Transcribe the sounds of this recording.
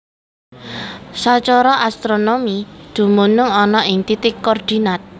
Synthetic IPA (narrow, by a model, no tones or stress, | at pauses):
sɔt͡ʃɔɾɔʔast̪ɾonomid̪̥ṳmunʊŋɔnɔʔɪŋt̪it̪ɪkːɔrd̪̥i̤nat̪̚